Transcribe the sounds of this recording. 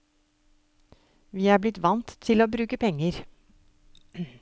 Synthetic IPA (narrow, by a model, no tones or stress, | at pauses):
ʋiːæːblɪt̪ʋɑnt̪ʰːɪloːbɾʉːkəpʰɛŋːəɾ